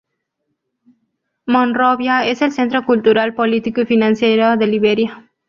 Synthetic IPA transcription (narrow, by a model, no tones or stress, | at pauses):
mõnroβjaeselsent̪ɾokult̪uɾalpolit̪ikufinãnsjejɾoðeliβeɾja